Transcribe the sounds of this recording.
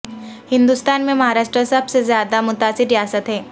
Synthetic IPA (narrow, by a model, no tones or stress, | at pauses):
hɪ̃nd̪ust̪aːnmẽmɐɦaːɾaːʃʈɾəsɐbsezjaːd̪amʊt̪aːsɪɾɾijaːsət̪ɦɛː